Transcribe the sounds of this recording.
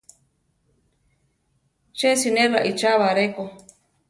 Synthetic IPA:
t͡ʃesineraʔit͡ʃaβaɾeko

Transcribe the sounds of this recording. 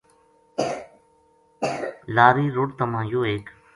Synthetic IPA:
laːɾiːɾʊɽt̪əmãːjoːeːk

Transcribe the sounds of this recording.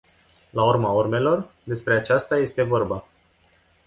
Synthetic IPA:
laurmaurme̞lo̞r | d̪e̞spɾe̞at͡ʃast̪aje̞st̪e̞vo̞rba

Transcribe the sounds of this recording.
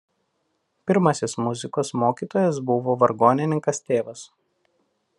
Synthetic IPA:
pʲɪɾmɐsʲɪsmʊzʲɪkoːsmoːkʲiːt̪oːjɛs̬bʊʋoːʋɐɾɡoːnʲɪnʲɪŋkɐst̪ʲeːʋɐs

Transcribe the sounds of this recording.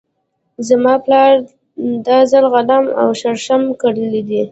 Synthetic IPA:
zamɑplɑɾ | d̪ɑzalɣalama̰wʃaɾʃamkaɽəlid̪i

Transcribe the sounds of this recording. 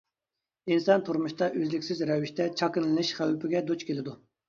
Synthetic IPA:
insɑnt̪ʰuɾmuʃt̪ɑʔøzlɪkʲsɪzɾɛviʃt̪ʰɛt͡ʃʰɑkɨnlɨnɪʃχæwɪpɪɡʲɛd̪ot͡ʃkʲʰelɪd̪u

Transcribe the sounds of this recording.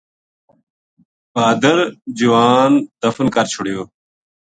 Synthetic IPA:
baːd̪ɐɾd͡ʑiwaːnd̪ɐfunkɐɾt͡ɕʰuɽijo

